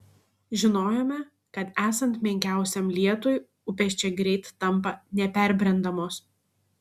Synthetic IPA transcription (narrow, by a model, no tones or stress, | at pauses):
ʒʲɪnoːjoːmʲɛ | kɐt̪æːsɐnt̪mʲɛŋʲkʲæˑʊsʲɛmlʲiɛt̪oːj | ʊpʲɛʃʲt͡ʃʲɛɡɾʲɛɪt̪ːɐmˑpɐnʲɛpʲɛˑɾʲbʲɾʲɛnd̪ɐmoːs